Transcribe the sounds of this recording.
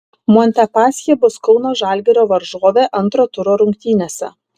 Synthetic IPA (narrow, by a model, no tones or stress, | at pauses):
moɔnʲt̪ʲɛpɑːsʲjʲɛbʊskɔʊnoːʒɑˑlʲɡʲɛɾʲoːʋɐɾʒuɔʋʲeːʔɐnˑt̪ɾoːt̪ʊɾoːɾʊŋk̚ʲt̪ʲiːnʲeːsʲɛ̰